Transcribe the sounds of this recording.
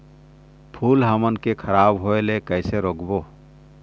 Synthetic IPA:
pʰuːlɦəmənkekʰəɾaːbɦoelekəɪseɾoɡbo

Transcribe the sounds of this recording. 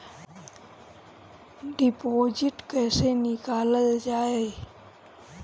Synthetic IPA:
ɖipoːd͡ʒɪʈkəːsenɪkaːləld͡ʒaːe

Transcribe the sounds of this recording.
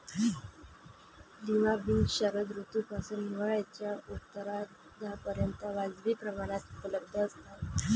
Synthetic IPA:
liʋabiŋɡɕəɾəd̪ɾut̪upasuːnniʋaɭjat͡ɕjaut̪ːəɾa | d̪apəɾjənt̪əʋad͡zʋiːpɾəmaɽ̃at̪upələb̚d̪ʱəːst̪a

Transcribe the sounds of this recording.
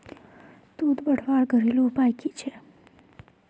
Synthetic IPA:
t̪ud̪bəʈʰʋaɭɡʱəɾelũpajkit͡ʃʰe

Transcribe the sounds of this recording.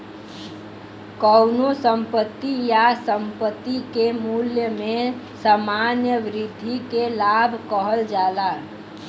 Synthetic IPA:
kəʊnosəmpət̪ːijasəmpət̪ːikemuljəmẽ | samanjəʋɾɪd̪ʱikelabʱkəɦəld͡ʒaːla

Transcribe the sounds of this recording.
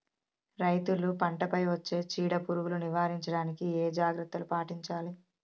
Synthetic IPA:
ɾɐjt̪ulupɐɳʈɐpɐjʋɐt͡ʃːe̞ːt͡ʃiːɽɐpuɾuɡuluniʋaːɾiɲt͡ʃɐɽaːnikieːd͡ʒaːɡɾɐt̪ːɐlupaːʈiɲt͡ʃaːli

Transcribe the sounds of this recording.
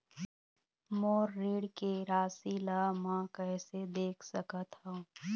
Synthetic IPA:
moːɾːiːɽkeɾaːsilaːmãkɛːsed̪eːkʰsəkət̪ɦõ

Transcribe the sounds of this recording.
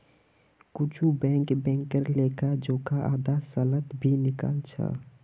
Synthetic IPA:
kʊt͡ʃʰubɛ̃ːŋkbɛ̃ːŋkəɾleːkad͡ʒoːkaʔaːd̪asələt̪bʱinɪka̰ːlt͡ʃʰa̰

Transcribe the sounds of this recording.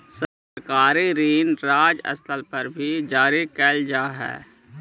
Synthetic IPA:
sə | ɾkaːɾiɾiːnɾaːd͡ʒə̰st̪ʰəlpəɾbʱid͡ʒaːɾikɛːld͡ʒaːɦɛ̰ː

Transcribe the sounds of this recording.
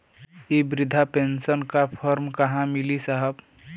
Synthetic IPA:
ibɾɪd̪ʱapensənkapʰəɾmkəɦãmɪlisəɦəb

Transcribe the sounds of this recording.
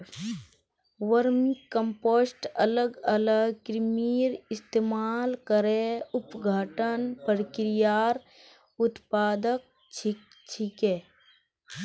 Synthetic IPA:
ʋəɾmikːə̃mpoːsʈɐləɡɐləɡkɾmiːɾɪst̪eːmaːlkəɾeʊpɡʱaːʈənpəɾkɾijaːɾ | ʊt̪paːd̪ək̚ | t͡ʃʰi | t͡ʃʰikeː

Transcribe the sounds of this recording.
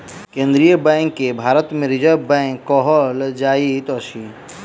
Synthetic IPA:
kẽːnd̪ɾijəbɛ̃ːŋkːebʱaːɾət̪mẽɾɪd͡ʒəɾbɛ̃ːŋkːɔːɦɔld͡ʒaːit̪ɔːʃi

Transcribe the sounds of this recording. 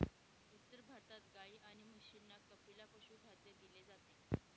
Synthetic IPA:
ut̪ːəɾbʱaɾt̪at̪ɡaiːʔaɽ̃iməɕinːakəpilapəɕuːbʱad̪jəd̪iled͡zat̪e

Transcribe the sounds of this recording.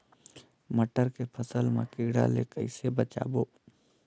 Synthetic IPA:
məʈəɾkepʰəsəlmḛ̃kɪɡɽa̰lḛkəɪsebət͡ʃa̰ːboː

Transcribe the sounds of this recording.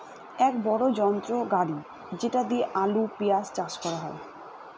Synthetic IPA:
ɛkbɔɽod͡ʑɔnt̪ɾoɡaɽi | d͡ʑeʈad̪ieʔalupijast͡ɕaʃkɔɾaɦɔe

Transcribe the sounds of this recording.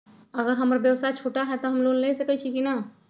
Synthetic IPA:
ɐɣəɾɦɐmɾabjəwsat͡ʃʰoːʈaɦɛt̪oɦɐmloːnlesekəit͡ʃʰikina

